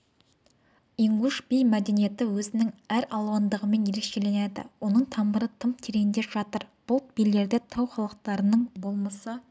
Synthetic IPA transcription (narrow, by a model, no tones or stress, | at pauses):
iŋɡuʃbijmæd̪e̞nije̞t̪ɪwɵzɪnɪŋæɾɑlˠwɑnd̪əʁəme̞nje̞ɾe̞kʃe̞le̞ned̪ɪ̰wo̞nəɴt̪ʰɑmbəɾət̪ʰəmpt̪ʰeɾejɪnd̪e̞ʒ̥ɑt̪əɾb̥ʊlˠt̪̚bilːe̞ɾd̪et̪ʰɑwχɑlˠəq̚t̪ɑɾənəɴbo̞lˠmɑsə